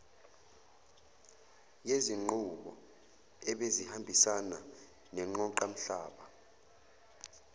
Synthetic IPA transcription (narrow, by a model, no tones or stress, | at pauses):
jeziŋ͡ǃuɓɔ̰ | ɛɓezihambʱisana | nɛŋ͡ǃɔǃam̩ɬaːɓa